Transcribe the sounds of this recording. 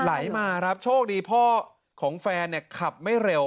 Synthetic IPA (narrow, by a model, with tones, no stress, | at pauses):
la˩˦jmaː˧ɾa˦˥p̚t͡ɕʰoː˥˩k̚diː˧pʰɔː˥˩ | kʰɔː˩˦ŋfɛː˧nːi˥˩ɐkʰa˨˩p̚ma˥˩jɾe˧w